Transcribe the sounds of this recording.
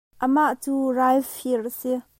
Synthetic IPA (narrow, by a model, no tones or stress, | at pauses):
ʔəmaʔt͡suːrajfirʔəsi